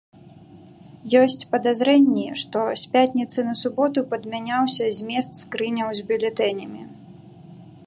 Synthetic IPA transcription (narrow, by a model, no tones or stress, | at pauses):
jɔsʲt͡sʲpɐd̪azɾɛnʲːiʂt̪ɔsʲpʲat̪ʲnʲit̪sɨnɐsubɔt̪upɐd̪mʲanʲawsʲɐzʲmʲɛst̪skɾɨnʲɐwzʲbʲulʲɛt̪ɛnʲɐmʲi